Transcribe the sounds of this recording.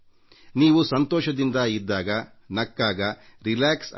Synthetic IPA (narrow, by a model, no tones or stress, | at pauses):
niːʋusɐnt̪ɔːʃɐd̪ind̪ɐid̪ːaːɡɐ | nɐkːaːɡɐɾilaːks